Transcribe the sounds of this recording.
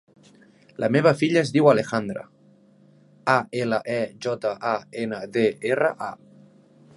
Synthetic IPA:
lʔəmeβ̞əfiʎəzðiwalexand̪ɾə̰ | aeləʔɛʒɔt̪əʔaenəðeerə̰ʔa̰

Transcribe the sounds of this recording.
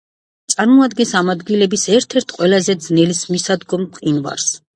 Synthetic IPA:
t̪sʼaɾmɔad̪ɡɛnsamad̪ɡilɛbisɛɾt̪ʰɛɾt̪ʰqʼwɛlazɛd̪znɛlismisad̪ɡɔmqʼinva̰ɾs

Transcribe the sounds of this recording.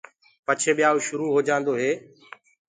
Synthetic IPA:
pət͡ʃʰeːɓɪjaːuʃʊɾuːɦoːd͡ʒãːnd̪oːɦeː

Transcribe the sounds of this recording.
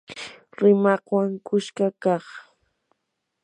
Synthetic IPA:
ɾɪmɑqwaŋkʊʃkakɑχ

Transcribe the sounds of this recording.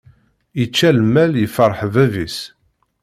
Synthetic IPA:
it͡ʃːælmːæljəfəɾˤħvævis

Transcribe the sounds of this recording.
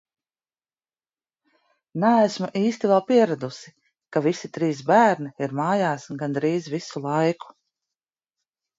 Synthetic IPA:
næːsmuʔiːst̪ivɛlˠpiɛɾad̪usi | kavisit̪ɾiːsbæːɾniiɾmaːjaːsɡand̪ɾiːzvisulˠajku̥

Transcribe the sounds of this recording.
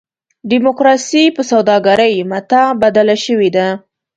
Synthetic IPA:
ɖimokɾɑsipəsawd̪ɑɡaɾəjmat̪abad̪alaʃəwed̪a

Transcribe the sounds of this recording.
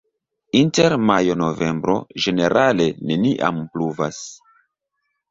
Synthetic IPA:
inteɾmajo̞no̞ve̞mbɾo̞̰ʒe̞ne̞ɾʔale̞ne̞niʔa̰mpluvas

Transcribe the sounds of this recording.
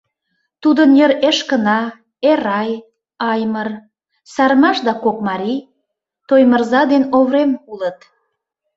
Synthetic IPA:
t̪ud̪ənjəɾeʃkənɑ | eɾɑj | ɑjmər | sɑrmɑʃd̪ɑkokmɑɾi | t̪ojmərzɑd̪enoβɾemulət̪

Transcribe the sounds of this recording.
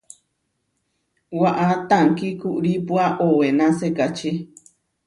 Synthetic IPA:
waʔat̪aŋkikuʔɾipuaʔowenãsekat͡ʃe

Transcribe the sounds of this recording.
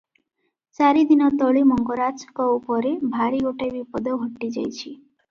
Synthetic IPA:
saɾid̪inɔt̪ɔɭimɔŋɡɔɾat͡ʃʰɔ̥kɔupɔɾebʱaɾiɡoʈajbipɔd̪ɔɦɔʈːid͡ʒa̰jt͡ʃʰi

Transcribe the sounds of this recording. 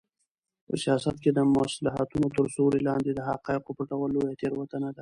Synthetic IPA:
pə̰sijɑsat̪ked̪əmʊaslaɦa̰t̪unot̪əɾsoɾelɑnd̪ed̪əɦaqɑɪqopəʈawəlojat̪eɾwat̪ənad̪a

